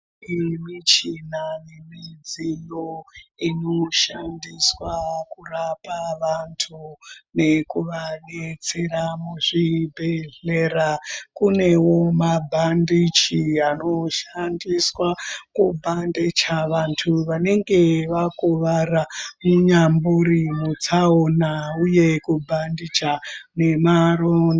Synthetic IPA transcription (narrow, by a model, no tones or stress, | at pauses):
imit͡ʃinanemid͡zijoino̞ʃandiswakurapaʋantʰune̞kuʋanet͡se̞ɾamuʐibʱeɮeɾakune̞wo̞mabʱandit͡ʃiano̞ʃandiswakubʱandet͡ʃaʋantʰuʋane̞ŋɡe̞ʋakuʋaramuɲambuɾimut͡saonauje̞kubʱandit͡ʃane̞marona